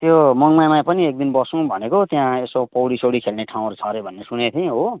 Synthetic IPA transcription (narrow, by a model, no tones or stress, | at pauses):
t̪jomʌŋmajmãjpʌniek̚d̪inbʌsũbʱʌnekot̪jãesopʌwɽisoɽikʰelneʈʰaw̃ʌɾut͡sʰʌɾebʱʌnːesunet̪ʰij̃ɦo